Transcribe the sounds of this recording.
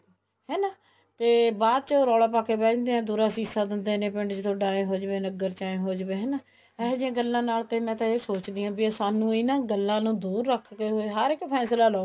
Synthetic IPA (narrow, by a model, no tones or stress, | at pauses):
hɛːnaː | t̪eːbaːd̪̚t͡ʃoːɾɔːlaːpaːkeːbɛ̃ːt͡ʃd̪eːɛ̃ːd̪uːɾaːsiːsaːd̪ɪnd̪eːnẽːpɪɳɖt͡ʃt̪ʰõːɖaːẽːɦoːd͡ʒʋẽːnəɡːəɾt͡ʃaːẽːɦoːd͡ʒbẽːɦɛːnaː | ɛːd͡ʒãːɡəlːãːnaːlt̪eːmɛ̃ːt̪ãːeːsoːt͡ʃd̪iːãːbisaːnũːɪːnãːɡəlːãːnũːd̪uːɾːəkʰːkeːɦoːeɦəɾɪkːpʰɛːslaːloː